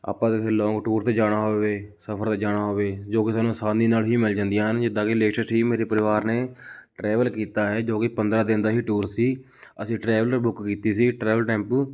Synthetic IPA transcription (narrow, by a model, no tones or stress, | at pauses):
a̰ːpãt̪elɔ̃ːŋɡʈuːɾt̪eːd͡ʒaːɽ̃aːɦoːʋeːsəpʰəɾt̪eːd͡ʒaːɽaːɦoːʋeːd͡ʒoːkɪsaːnũːsãːnd̪iːnaːlɦiːmɪld͡ʒãːnd̪ijãːɦənd͡ʒɪd̪aːkɪleːkʃəɾsɦiːmeːɾeːpəɾɪʋaːɾneːʈɾɛːʋəlkiːt̪aːɦɛːd͡ʒoːkɪpənd̪ɾaːd̪ɪnd̪aːɦiːʈuːɾsiː | əsĩːʈɾɛːʋələɾbʊkkiːt̪iːsiːʈɾɛːʋəlʈɛ̃ːmpː